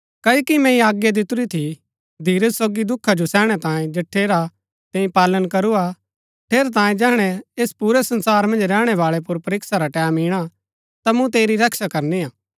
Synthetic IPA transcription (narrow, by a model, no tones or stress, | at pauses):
kɐjːkimɛ̃ĩaːɡjad̪ɪt̪ʊɾit̪ʰi | d̪ʱiːɾəssoːɡid̪ʊkʰːad͡ʒosɛːɽ̃ɛt̪ãːẽd͡ʒɐʈʰːeːɾa | t̪ɛ̃ːĩpaːlənkɐɾua | ʈʰeːɾet̪̬ãːẽd͡ʒɛːɦɽ̃ɛeːspuːɾɛsɐ̃nsaːɾmɐ̃nd͡ʒɾɛːɽ̃ɛʋaːɭɛp̬ʊɾpɐɾɪksaɾaʈɛːmiːɽ̃a | t̪amũt̪eːɾiɾɐkʃakɐɾniaː